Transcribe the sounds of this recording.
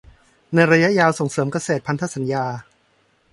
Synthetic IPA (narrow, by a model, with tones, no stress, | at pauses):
na˧jɾa˧ja˦˥ʔjaː˧wso˨˩ŋsɤː˩˦mka˧seː˨˩t̪̚pʰa˧nt̪ʰa˦˥sa˩˦njaː˧